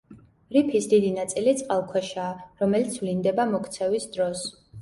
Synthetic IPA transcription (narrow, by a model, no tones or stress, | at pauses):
ɾipʰisd̪id̪inat̪sʼilit̪sʼqʼalˠkʰwɛʃaːɾɔmɛlit̪sʰvlind̪ɛbamɔkʰt̪sʰɛvisd̪ɾɔs